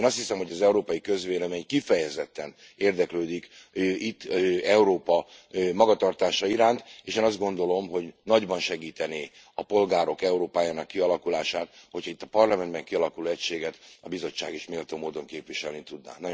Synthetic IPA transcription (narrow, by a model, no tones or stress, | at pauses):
nɒst̪hisɛmho̞ɟɒzɛuɾoːpɒjikø̞zʋeːlɛmeːɲkifɛjɛzɛt̪ːɛn | eːrd̪ɛkløːd̪ik | it̪ːɛuɾoːpɒmɒɡɒt̪ɒrt̪aːʃɒiɾaːnt̪eːʃeːnɒzd̪ɡo̞nd̪o̞lo̞mɦo̞ɟnɒɟbɒnʃɛɡiːt̪ɛneː | ɒpo̞lɡaːɾo̞kɛuɾoːpaːjaːnɒkːiɒlɒkulaːʃaːt̪hochɒit̪ːɒpɒrlɒmɛnd̪bɛŋkiɒlɒkulɛcʃeːɡɛt̪ɒbizo̞t͡ʃːaːɡeːʃmeːlt̪oːmoːd̪o̞ŋkeːpʋiʃɛlnit̪ud̪na̰ːnɒ